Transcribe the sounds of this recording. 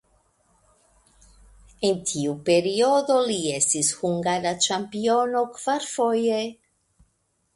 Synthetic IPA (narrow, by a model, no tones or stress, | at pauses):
ent̪ʰiupeɾioðoliest̪ishuŋɡaɾat͡ʃampionokv̥aɾfoje